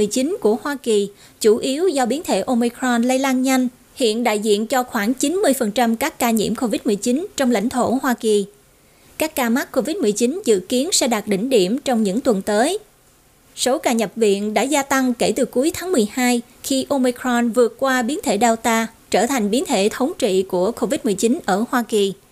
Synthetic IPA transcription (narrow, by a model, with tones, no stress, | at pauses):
mɨ˨˩jt͡ɕi˨˦nku˧˩əhwaː˧ki˨˩ | t͡ɕu˧˩ʔi˨˦əwzɔ˧ɓi˨˦ənt̪ʰḛ˧˩ʔo˧mi˧kɾɔ˧nlə˧jlaː˧nɲa˧jŋ̟ | hḭ˧˨ənɗa̰ː˧˨jzḭ˧˨ənt͡ɕɔ˧xwaː˧˩ŋt͡ɕi˨˦nmɨ˧əjfə˨˩nt͡ɕa˧mkaː˦˥kːaː˧ɲḭ˧˩əmko˧vi˦˥t̚mɨ˨˩əjt͡ɕi˨˦nt͡ɕɔ˧wŋ͡mla̰˧˥jŋ̟t̪ʰo˧˩hwaː˧ki˨˩ | kaː˦˥kːaː˧ma˦˥t̚ko˧vi˦˥t̚mɨ˨˩əjt͡ɕi˨˦nzɨ̰˧˨ki˨˦ənsɛ̰˧˥ɗaː˨˩t̚ɗï˧˩ŋ̟ɗi˧˩əmt͡ɕɔ˧wŋ͡mɲɨ̰˧˥ŋt̪wə˨˩nt̪əː˨˦j | so˨˦kaː˧˩ɲə˨˩p̚vḭ˧˨ənɗa̰ː˧˥zaː˧t̪a˧ŋke˧˩t̪ɨ˨˩ku˨˦əjt̪ʰaː˨˦ŋmɨ˨˩əjhaː˧j | xi˧ʔo˧mi˧kɾɔ˧nvɨ˨˩ət̚kwaː˧ɓi˨˦ənt̪ʰḛ˧˩ɗaː˧wt̪aː˧ | t͡ɕəː˧˩t̪ʰa˨˩jŋ̟ɓi˨˦ənt̪ʰḛ˧˩t̪ʰə˨˦wŋ͡mt͡ɕḭ˧˨ku˧˩əko˧vi˦˥t̚mɨ˨˩əjt͡ɕi˨˦nʔəː˧˩hwaː˧ki˨˩